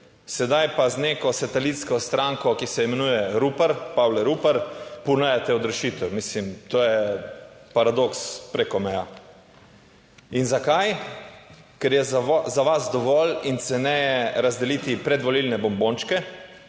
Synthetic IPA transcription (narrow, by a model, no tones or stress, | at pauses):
sɛd̪ajpazneːkɔsat̪ɛlit̪skɔst̪ɾaŋkɔkisɛimɛnujɛɾupaɾpawlɛɾupaɾpunɛjat̪ɛɔd̪ɾɛʃit̪ɛwmislimt̪oːjɛ | paɾad̪okspɾekɔmɛja | inzakaj | kɛɾjɛzaʋazd̪ɔʋɔlint̪sɛnɛjɛɾazd̪ɛliːt̪ipɾɛd̪ʋɔlilnɛbɔmbont͡ʃkɛ